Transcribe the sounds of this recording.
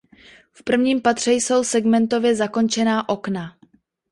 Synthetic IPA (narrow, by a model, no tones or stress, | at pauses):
fpr̩vɲiːmpat̪r̝̥ɛjso̞wsɛɡmɛnt̪o̞vjɛzako̞nt͡ʃɛnaːʔo̞kna